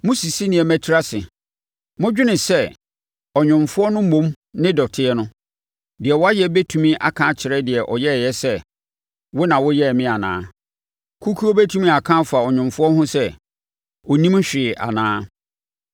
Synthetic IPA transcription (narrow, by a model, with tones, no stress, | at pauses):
mʊ̃˦si˨si˦nĩ˨ɛ˨mɛ̃˦tʰi˦ɾa˦sɪ˨ | mʊ̃˦d͡ʑᶣɪ˦nɪ̃˨sɛ˦ | ɔ˨ɲᶣʊ̃˨mfʊ˦ɔ˦nʊ̃˦mõ˦m | nɪ̃˦dɔ˨tʰɪ˦ɛ˦nʊ̃˦ | dɪ˨ɛ˨wɔ˦a˦jɛ˦bɛ˦tʰũ˨mĩ˦ʔa̰˨kʰã˦t͡ɕʰɪ˨ɾɛ˦dɪ˨ɛ˨ʔɔ̰˨jɛ˦˨jɛ˦sɛ˦ | wʊ˦nã˨wʊ˦jɛ˦˨mɪ̃˦a˨nã̰ː˦ | kʰu˦kʰu˦o˦be˦tʰũ˦mĩ˦a˨kʰã˦fa˨ɔ˨ɲᶣɪ̃˨mfʊ˦ɔ˦hʊ̃˦sɛ˦ | ɔ˨nĩ˦m˦ɕᶣɪ˨ʔa̰˨nãː˦